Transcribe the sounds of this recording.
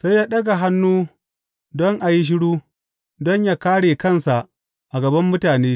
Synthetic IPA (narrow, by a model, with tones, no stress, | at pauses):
sa˦jjaː˦ɗɐ˦ɡa˨ɦa˦nːuː˦ | dɔ˦ŋʔa˨ji˦ʃ̬ɪ˦ɽuː˦ | dɔ˦ɲjaː˦kaː˦ɽeː˨kɐ˦˨nsa˨ʔ | ʔa˨ɡɐ˨bɐ˦mːʊ˦taː˨neː˦